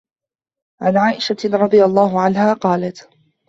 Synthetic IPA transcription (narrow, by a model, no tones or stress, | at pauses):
ʕanʕaːʔɪʃaɾˤɑd̪ˤɨjalˤːɑːɦʊʕanɦaːqɑːlat̪